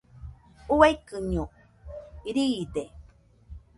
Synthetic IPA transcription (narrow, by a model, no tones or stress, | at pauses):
uajkɨɲo | iɾiːd̪e